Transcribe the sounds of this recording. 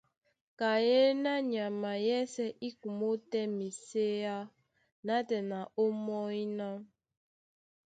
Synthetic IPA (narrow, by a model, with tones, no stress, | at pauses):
ka˨je˦na˦ɲa˨ma˨jɛ˦sɛ˦ʔi˦ku˨mo˦tɛ˦mi˨se˦ja˦ | na˦tɛ˨na˨o˦mɔ˦i˦na˦m